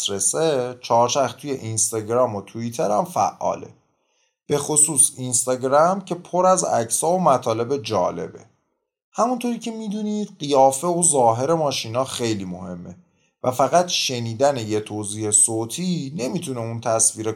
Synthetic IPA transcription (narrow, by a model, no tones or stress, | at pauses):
ɾeset͡ʃʰɒːɾt͡ʃʰæxt̪ʰuːje̞̰ʔinst̪ɑɟɾɒːmot̪ʰuit̪ʰe̞ɾæ̰mfæ̰ʔːɒ̰ːlḛ | b̥e̞xosuːsinst̪ɒːɟɾæmcʰe̞pʰoɾæzæ̰cʰsɒːomæt̪ʰɒːle̞be̞d͡ʒɒ̰ːle̞̰be̞̰ | hæmunt̪ʰoːɾiːcʰe̞miːd̪uniːd̪̥ɢijɒːfe̞ozɒːɦe̞ɾe̞mɒːʃinɒːxe̞jliːmo̞he̞mːe̞ | væfæɣæt̪ʃe̞niːd̪æneje̞t̪ʰoːziːhe̞soːt̪ʰiːne̞mit̪ʰune̞unt̪ʰæsviːɾe